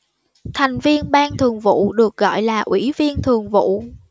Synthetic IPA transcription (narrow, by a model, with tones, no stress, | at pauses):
t̪ʰa˨˩jŋ̟vi˧ənɓaː˧nt̪ʰɨ˨˩əŋvṵ˧˨ɗɨ˨˩ək̚ɣɔ̰˧˨jlaː˨˩ʔwi˧˩˥vi˧ənt̪ʰɨ˨˩əŋvṵ˧˨